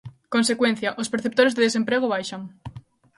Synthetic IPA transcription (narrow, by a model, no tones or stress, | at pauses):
konsekwen̟θjaʔospeɾθep̚t̪oɾezðeðesempɾeɣ̞oβajʃaŋ